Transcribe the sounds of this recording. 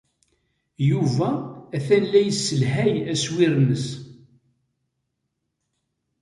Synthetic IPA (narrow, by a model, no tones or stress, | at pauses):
juvæːθænːæjəsːəlɦæjæswɪɾnəs